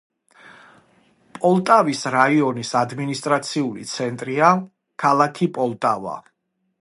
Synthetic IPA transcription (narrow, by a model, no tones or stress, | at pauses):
pʼɔlˠt̪ʼavisɾaiɔnisad̪minist̪ʼɾat̪sʰiulḭt̪sʰɛnt̪ʼɾia | kʰalˠakʰipʼɔlˠt̪ʼava̰